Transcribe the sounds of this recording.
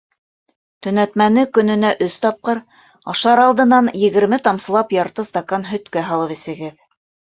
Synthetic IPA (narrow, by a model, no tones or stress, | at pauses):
t̪ɵ̆næt̪mænɘkɵ̆nɘ̆næʔɵst̪ɑp̚qɤɾ | ɑʃɑɾɑlˠd̪ɤ̆nɑnjɘ̆ɡɘ̆ɾmɘt̪ɑmsɤ̆lˠɑpjɑɾt̪ɤst̪ɐkonɦɵ̆t̪kæɦɑlˠɤpisɘ̆ɡɘð